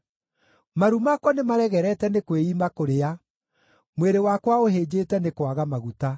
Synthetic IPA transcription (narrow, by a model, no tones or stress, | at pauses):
maɾumakwɔnemaɾɛɣɛɾɛtɛnekweiːmakoɾea | mweɾewakwaoɦeːd͡ʑetɛnekwaɣamaɣuta